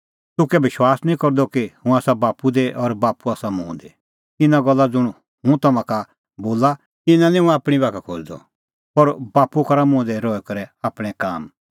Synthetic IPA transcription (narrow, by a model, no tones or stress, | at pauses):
t̪ʊkɛbɪʃwaːsnĩkɔɾd̪ɔkihũaːsabaːpud̪eʔɔɾbaːpuaːsamũːd̪e | ɪnãɡɔlːad͡zʊɽ̃ | hũt̪ɐmãka | boːla | ɪnãnĩɦũaːpɽ̃ibaːkʰakʰoːd͡ʒd̪ɔ̰ | pɔɾbaːpukɐɾamʊ̃ːd̪ɛɾɔːɛkɐɾɛaːpɽ̃ɛ̃kaːm